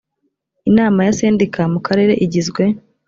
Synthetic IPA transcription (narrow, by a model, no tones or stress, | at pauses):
inaːmajaseːndikamukʰaɾe̞ɾe̞ʔiɟizɡwe̞